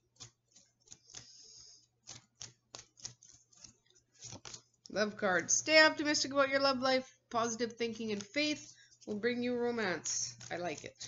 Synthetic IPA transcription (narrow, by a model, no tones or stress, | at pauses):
lʌvkʰɑɹdz̥steɪɑp̚tɨmɪstɨkəbaʊt͡ʃə˞lʌvlaɪfpʰɑzɨɾɨv̥θɪ̃ŋkɪ̃ŋɨ̃nfeɪθ | wɪlˠbɹɪ̃ŋjɨɹoʊmæ̃nsaɪlaɪkɨ̰t̚